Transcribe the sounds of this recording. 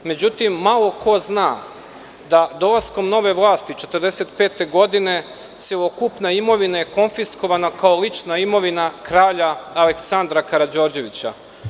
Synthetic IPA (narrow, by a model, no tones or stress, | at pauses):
me̞d͡ʑut̪imːalˠo̞ko̞znaː | d̪ad̪o̞lasko̞mno̞ʋe̞ʋlˠaːst̪it͡ʃe̞t̪əɾd̪e̞se̞t̪pe̞ːt̪e̞ɡo̞d̪ine̞ | seokupnaimo̞ʋinajeko̞nfisko̞ʋanakao̞lit͡ʃnaimo̞ʋinakɾaːʎaːle̞ksand̪ɾakaɾad͡ʑo̞ːɾd͡ʑe̞ʋit͡ɕa̰